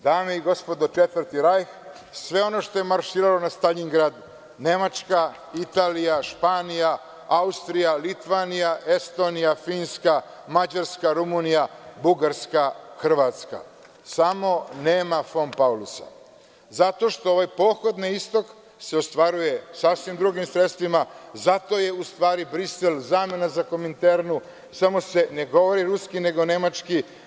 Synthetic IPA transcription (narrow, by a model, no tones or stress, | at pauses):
d̪aːmeiɡo̞spo̞d̪ot͡ʃet̪ʋɾt̪iɾajx | sʋe̞o̞no̞ʃt̪o̞jemaɾʃiːɾalo̞nast̪aʎiŋɡɾaːd̪ | ne̞mat͡ʃka | it̪aːlijaʃpaːnija | aust̪ɾijalit̪ʋaːnijaʔe̞st̪o̞ːnijafiːnska | mad͡ʑaɾskaɾumunijabuɡaɾskaxr̩ʋaːt̪ska̰ | samo̞ne̞ːmafompaulusa̰ | zat̪o̞ʃt̪o̞oʋajpo̞ːxo̞d̪niist̪o̞k | se̞ost̪ʋaɾuje̞sasʋimd̪ɾuɡimsɾet̪st̪ʋimazat̪o̞je̞ust̪ʋaːɾibɾiselzame̞nazako̞ment̪eɾnu | samo̞se̞ne̞ɡo̞ʋoɾiɾuskine̞ɡo̞ne̞mat͡ʃki